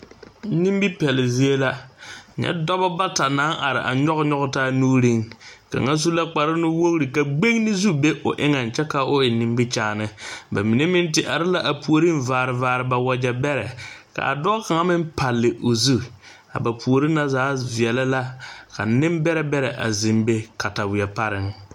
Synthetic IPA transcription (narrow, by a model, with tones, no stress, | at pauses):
ni˦mbi˦pɛ˨lɪ˨zi˦e˦la˦ɲɛ̰˦dɔ˦bɔ˦ba˦ta˨na˨˦ŋʔa˨ɾɪ̰˨ʔa̰˨ɲɔ˦ɣɲɔ˦ɣtaː˦nuː˦ɾi˦ŋka̰˨ŋa˦zu˦la˦k͡pa˨ɾɪ˦nɪ˦wo˦ɣɾi˨ka˨ɡ͡be˦ŋ˦nɪ˦zu˦be˦ʔʊ̰˨ʔɪ˦ŋa˨nt͡ʃɛ˦ka˦ʊ˦ɪ˨nɪ˨mbi˦t͡ʃaː˦˨nɨ˦ba˨mi˨ne˦mɪ˦ntɪ˦ʔa˨ɾɪ˦la˦ʔa˨pu˨o˨ɾi˦nvaː˨ɾɪ˨vaː˨ɾɨ˨ba˨wɔ˨d͡ʒɛ˨bɛ˦ɾɛ˨ka̰˨a̰˨dɔ˦ka˨ŋa˦mɪ˦m˦pa˨lːɪ˨ʔo˨zu˦ | a̰˨ba˨pʰu˨o˨ɾɪ˦na˦zaː˨˦vi˨ɛ˨la˦la˦ka̰˨nɪ˦mbɛ˦ɾɛ˦bɛ˦ɾɛ˨ʔa̰˨zɪ˨mbe˦ka˨ta˨wɪ˨ɛ˨pa˦ɾɪ˨ŋ